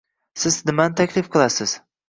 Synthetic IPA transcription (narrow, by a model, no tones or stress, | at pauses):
sɪznɪmant̪ʰakʲlɪfqʰɨlˠasɪz̥